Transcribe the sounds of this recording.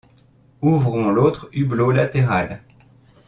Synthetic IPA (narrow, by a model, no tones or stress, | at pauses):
uvʁɔ̃lot̪χyblolat̪eʁal